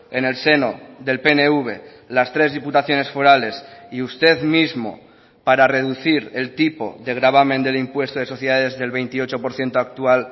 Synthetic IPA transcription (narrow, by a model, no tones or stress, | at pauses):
e̞ne̞lse̞noðe̞lpeneuβ̞e | last̪ɾe̞zðiput̪aθjo̞ne̞sfoɾale̞siust̪e̞ðmizmo̞̰ | paɾare̞ð̞uθiɾelt̪ipo̞̰ðe̞ɣɾaβ̞amẽ̞nd̪elimpwe̞st̪oðeso̞θjeðaðezðe̞lβe̞jnt̪io̞t͡ʃo̞po̞ɾθje̞nt̪oak̚t̪ual